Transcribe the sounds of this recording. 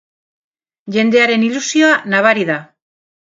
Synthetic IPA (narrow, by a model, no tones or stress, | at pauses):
ʝe̞nd̪e̞aɾe̞nilusio̞anaβaɾiða